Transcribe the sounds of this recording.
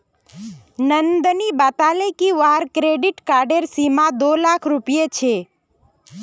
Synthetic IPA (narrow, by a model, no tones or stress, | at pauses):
nənd̪nibat̪alekiʋaɾkɾeɖiʈkaɾɖeɾsimãd̪olakʰɾupijet͡ʃʰe